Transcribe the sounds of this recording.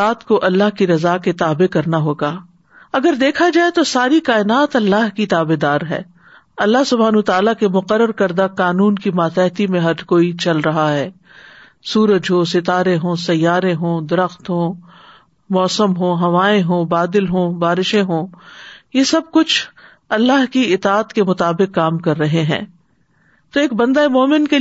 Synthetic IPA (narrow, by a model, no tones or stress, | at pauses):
aːt̪koʔɐlːaɦkiɾɐzaːket̪aːbekɐɾnaɦoːɡaː | ɐɡəɾd̪eːkʰad͡ʒaːet̪osaːɾikaːɪnaːt̪ɐlːaːɦkit̪aːbed̪aːɾɦɛ̰ː | ɐlːaɦsʊbʱaːnːt̪aːlakemʊqəɾːəɾkɐɾd̪aqaːnuːnkimaːt̪ɛːt̪imẽɦɐɾkoːit͡ʃɐlɾɐɦaɦɛː | suːɾəd͡ʒɦosɪt̪aːɾẽɦõsɐjːaːɾẽɦõːd̪ɐɾəxt̪ɦõː | mɔːsəmɦõːɦɐʋaːẽɦõːbaːd̪ɪlɦõːbaːɾɪʃẽɦõːjesɐb̚kʊt͡ʃʰ | ɐlːaɦkiɪt̪aːt̪kemʊt̪aːbɪqːaːmkɐɾːɐɦeɦɛ̰̃ː | t̪oeːk̚bɐ̃nd̪aemoːmɪnke